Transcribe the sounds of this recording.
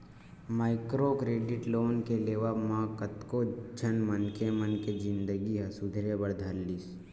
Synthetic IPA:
maːɪkɾokɾeːɖɪʈloːnkeleːʋamãkət̪kod͡ʒʱənmənkemənked͡ʒɪ̃nd̪əɡiɦɐsʊd̪ʱɾebəɾd̪ʱəlːis

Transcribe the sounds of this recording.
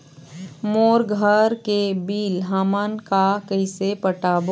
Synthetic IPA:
moːɾɡʱəɾkebiːlɦaːmankakəɪsepəʈaːb

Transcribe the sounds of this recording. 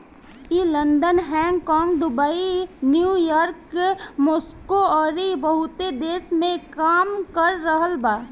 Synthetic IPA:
iːlə̃nd̪ənɦɛ̃ːŋɡkɔːŋɡd̪ʊbainjuːjɔːɾkmoːskoɔːɾibəɦʊt̪ed̪eːsmẽkaːmkəɾːəɦəlbaː

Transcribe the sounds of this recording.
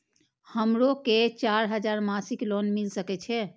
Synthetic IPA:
həmɾoket͡ʃaɾɦəd͡ʒaɾmasiklonmilsəkɛt͡ʃʰɛ

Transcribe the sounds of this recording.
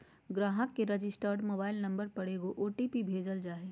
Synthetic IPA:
ɡɾaːɦəkːeɾɐd͡ʒɪsʈəɾɖmoːbaːɪlnɐ̃mbəɾpɐɽeːɡoʔoːʈipibʱeːd͡ʒəld͡ʒaːeː

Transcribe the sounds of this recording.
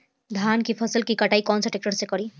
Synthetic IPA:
d̪ʱaːnkipʰəsəlkikəʈaːikɔːnsəʈek̚ʈəɾsekɔɾi

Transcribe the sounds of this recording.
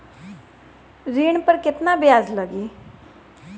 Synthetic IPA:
ɾiːɳpəɾkɪt̪naːbɪjaːzləɡiː

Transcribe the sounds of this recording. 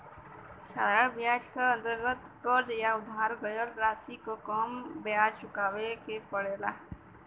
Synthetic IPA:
sa̰d̪aɽbjaːd͡ʒkaə̃nt̪əɾɡət̪kəɾd͡ʒjaʊd̪ʱaːɾɡəjəɾɾaːsikokoːmbjaːd͡ʒt͡ʃʊkaːwekepəɽeːlaː

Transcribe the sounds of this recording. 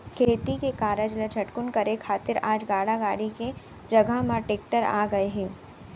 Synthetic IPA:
kʰeːt̪ikekaːɾəd͡ʒləd͡ʒʰʱɐʈkʊnkɐɾekʰaːt̪ɪɾaːd͡ʒɡaːɽaɡaːɽike | d͡ʒɐɡʱəɦmaʈeːk̚ʈəɾa̰ːɡɐeɦɛ̃ː

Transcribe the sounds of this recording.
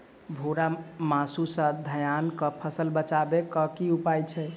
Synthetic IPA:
bʱoɾamasusə̃d̪ʱəjankəpʰəsəlbət͡ʃabekəkiupajt͡ʃʰɛ

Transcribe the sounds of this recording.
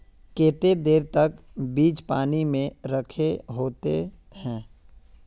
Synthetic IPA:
keːt̪ed̪eːɾt̪ɐkbiːd͡ʒpaːnimẽɾəkʰeɦoːt̪e | hɛ̃ː

